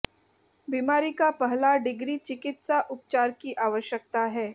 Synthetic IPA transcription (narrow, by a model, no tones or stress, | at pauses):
biːmaːɾikapɐɦlaɖɪɡɾit͡ʃɪkɪt̪saʔʊp̚t͡ʃaːɾkiʔaːʋəʃjək̚t̪aɦɛː